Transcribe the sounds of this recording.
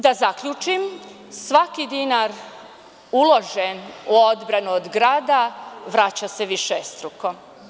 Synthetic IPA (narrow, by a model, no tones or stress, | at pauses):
d̪azakʎut͡ʃim | sʋakid̪inaɾ | ulo̞ʒenuo̞d̪bɾanuod̪ɡɾaːd̪aʋɾat͡ɕase̞ʋiʃest̪ɾuko